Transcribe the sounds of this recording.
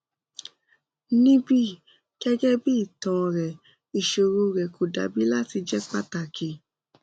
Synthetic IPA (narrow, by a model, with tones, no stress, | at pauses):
nĩ˦bi˦ | kɛ˦d͡ʒɛ˦bi˦˨tɔ̃˨ɾɛ˨ | i˨ʃo˨ɾo˧ɾɛ˨kʰo˨da̰˨bi˨˦la˦ti˧d͡ʒɛ˦k͡pa˦ta˨ke˨